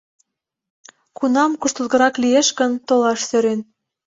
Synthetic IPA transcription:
kunɑmkuʃt̪uzɣɤ̆ɾɑklijeʃɣə̆nt̪olɑʃsøɾen

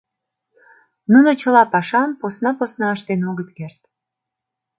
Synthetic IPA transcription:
nunot͡ɕə̆lɑpɑʃɑmposnɑposnɑəʃt̪enoɣət̪kert̪̚

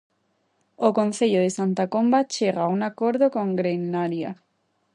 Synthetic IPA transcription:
okõn̟θeʎoðesant̪akombat͡ʃeɣauŋakoɾðokõŋɡɾenːaɾja

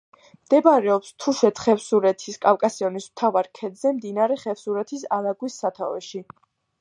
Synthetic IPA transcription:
md̪̥ɛbaɾɛɔpst̪ʰuʃɛt̪χɛfsuɾɛt̪ʰiskʼakʼasiɔnismt̪ʰavaɾkʰɛd̪zɛmd̪inaɾɛχɛfsuɾɛt̪ʰisalaɡwisːat̪ʰa̰vɛ̰ʃi

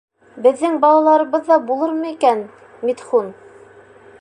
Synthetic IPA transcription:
bɘ̆ðːɘŋbɑlˠɑlˠɑɾɤ̆βɤðːɑbulˠɤɾmɤikæn | mit̪χun

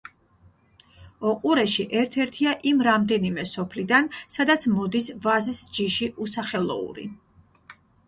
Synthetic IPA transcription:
ɔqʼuɾɛʃiʔɛɾt̪ʰɛɾt̪ʰiaʔimɾamd̪ɛnimɛsɔpʰlid̪ansad̪at̪sʰmɔd̪isvazisd͡ʒiʃiʔusaχɛlˠɔ̰ṵɾḭ

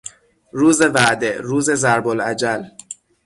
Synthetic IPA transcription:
ɾuːze̞væʔd̪eɾuːze̞zæɾbolæd͡ʒæl

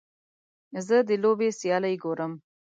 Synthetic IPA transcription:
zəd̪əlobesjɑləjɡoɾəm

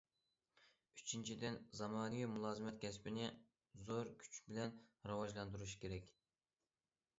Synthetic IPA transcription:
yt͡ʃʰint͡ʃʰid̪ɪnzɑmɑːnɨvimulˠɑːzɨmɛt̪̚kʲɛspɪnɪ | zoɾkʲʰy̥t͡ʃbɪlɛnɾɑwɑʒlˠɑnd̪uɾuʃi̥kʲʰeɾɛkʲ

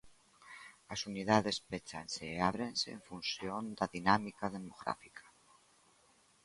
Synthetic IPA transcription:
asuniðaðe̞spet͡ʃa̰nseːaβ̞ɾensḛːɱfunsjond̪aðinamikað̞emoɣɾa̰fikʰḁ

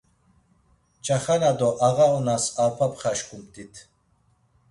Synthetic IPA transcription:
t͡ʃʰaχanad̪ɔʔaɣaɔnasaɾpʰapʰʼχaʃkʰʼumt̪ʼit̪ʰ

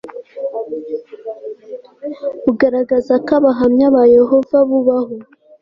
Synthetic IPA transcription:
uɡaɾaɡazakaβaɦamɲaβajeɦo̞vaβuβaɦo

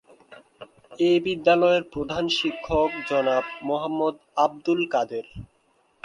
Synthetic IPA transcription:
ebid̪ːalɔeɾpɾod̪ʱanʃikʰːokd͡ʑɔnabmoɦamːod̪ab̚d̪ulkad̪eɾ

